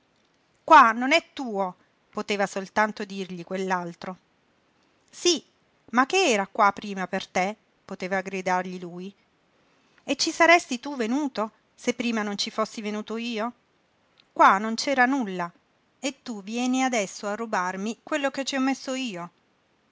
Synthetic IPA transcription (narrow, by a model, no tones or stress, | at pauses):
kwanonɛt̪ːuːo | pot̪eːvasolt̪ant̪od̪irʎikwelːalt̪ɾo | si | makːeɛːɾakwapːɾiːmapert̪e | pot̪eːvaɡɾid̪arʎiluːj | et͡ʃːisaɾɛst̪it̪uvenuːt̪o | sepːɾiːmanont͡ʃifosːivenuːt̪oiːo | kwanont͡ʃɛːɾanulːa | et̪ːuvjɛːniad̪ɛsːoarːubarmikwelːoket͡ʃːiɔmːesːoiːo